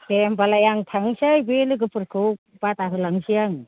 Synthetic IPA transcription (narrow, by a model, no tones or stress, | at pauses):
tembalajaŋtʰaŋsajbelɯɡɯpɯɾkʰɯwk | bataɦɯlaŋsiaŋ